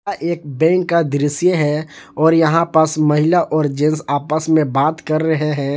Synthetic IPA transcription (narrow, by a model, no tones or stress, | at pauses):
aʔeːk̚bɛ̃ːkːad̪ɾɪsjəɦɛɔːɾjɐɦãpəsmɐɦɪlaʔɔːɾd͡ʒẽnsaːpəsmẽbaːt̪kəɾːəɦeɦɛ̃ː